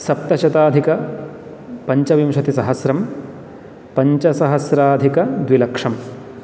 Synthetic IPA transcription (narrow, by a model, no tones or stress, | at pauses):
sɐp̚t̪ɐʃɐt̪aːd̪ʱikɐ | pɐɲt͡ʃɐʋimʃɐt̪isɐɦɐsɾɐm | pɐɲt͡ʃɐsɐɦɐsɾaːd̪ʱikɐd̪ʋilɐkʂɐm